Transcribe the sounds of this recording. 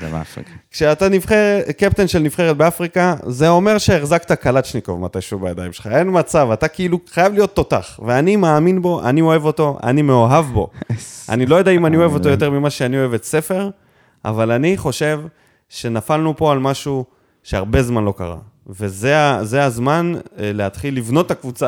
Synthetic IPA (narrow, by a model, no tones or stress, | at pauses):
a̰kʃeat̪anifχeʁekep̚t̪enʃelnifχeʁet̪̚beafʁikaze̞o̞me̞ʁʃeːχzakt̪akalat̪ʃnikovmat̪aʃuvbajadajimʃelχae̞nmat͡savat̪akiiluχajavlijo̞t̪ːo̞t̪aχveanimaːminbo̞ʔa̰nio̞e̞vo̞to̞ʔa̰nimeoɦavbo̞̰a̰nilo̞jod̪aimanio̞e̞vo̞t̪o̞jo̞t̪̬e̞ʁmimaʃeanio̞e̞vetse̞fe̞ʁ | a̰valaniχo̞ʃe̞v | ʃe̞nafalnupo̞almaʃu | ʃe̞aʁbe̞zmanlo̞ka̰ʁa̰ve̞zeaze̞azmanleat̪χilːivno̞t̪ːakvut͡sa